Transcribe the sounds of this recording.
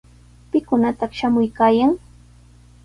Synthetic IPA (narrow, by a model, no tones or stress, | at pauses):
pɪkʊnat̪ɑχʃamʊjkaːjaŋ